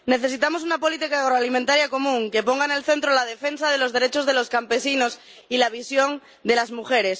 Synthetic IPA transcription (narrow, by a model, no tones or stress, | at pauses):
ne̞θe̞s̬it̪amo̞s̬unapo̞lit̪ikaːɣ̞ɾoalimẽnt̪aɾjako̞mũŋke̞po̞ŋɡaene̞lθe̞nt̪ɾolað̞e̞fe̞nsað̞e̞lo̞zðe̞ɾet͡ʃo̞zð̞e̞loskampe̞sino̞s | ilaβ̞isjo̞ŋ | d̪e̞lazmuxe̞ɾe̞s